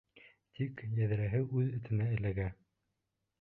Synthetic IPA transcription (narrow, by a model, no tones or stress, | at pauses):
t̪ʰikjæðɘ̆ɾæɦɘʔʉðɵ̆t̪ɘ̆næɘ̆læɡæ